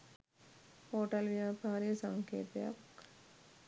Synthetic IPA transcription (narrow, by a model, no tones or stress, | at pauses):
hoːʈɐlʋjaːpaːɾijəsɐŋkʰḛːt̪jɐ̰k